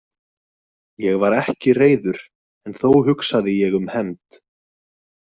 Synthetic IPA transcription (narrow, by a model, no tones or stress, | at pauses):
jɛɣvaɾɛhcɪreːjðʏɾ̥ | ɛnθowɦʏksaðɪjɛɣʏmhɛmt̪